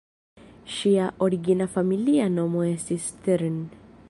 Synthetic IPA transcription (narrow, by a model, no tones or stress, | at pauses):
ʃiaʔɔɾiɡinafamilianɔmɔɛsist̪ɛɾn